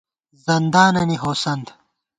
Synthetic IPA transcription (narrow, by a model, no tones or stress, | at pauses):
zɐnd̪aːnɐniɦoːsɐnd̪